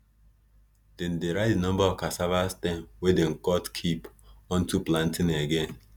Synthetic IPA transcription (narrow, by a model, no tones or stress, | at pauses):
d̥en̩deɾadnɔ̃m̩bakasavastenwedeŋ̩kɔtkʰipɔn̩tuplan̩tineɡen̩